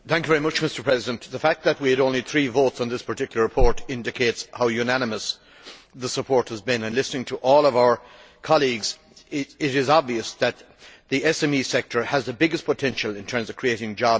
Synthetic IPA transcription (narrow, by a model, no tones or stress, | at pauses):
θæ̃ŋkjɨvɛɹimʌt͡ʃmɪstə˞pʰɹ̥ɛzɪdə̃nðəfæk̚t̪̚ðət̚wiɨɾõʊ̃nliθɹivoʊtsn̩ðɪspʰə˞tʰɪkjl̩ˠə˞ɹɨpʰɔɹɾɪ̃ndɨkʰeɪtshaʊjʉnænɨməs | ðəsəpʰɔɹt̚həzbɪ̃nɨ̃nlɪsnɪ̃ŋtʰəʔɔlˠʌvaʊə˞ | kʰɑlˠiɡz | ɪɪɾɪzɑbviɨsðɨt̪̚ | ðiɛsɛ̃misɛk̚tʰə˞əzðəbɪɡɨspʰətʰɛ̃nʃəl̩ˠɪ̃ntʰɜ̃˞mzʌv̥kʰɹ̥ieɪɾɪ̃ŋd͡ʒɑ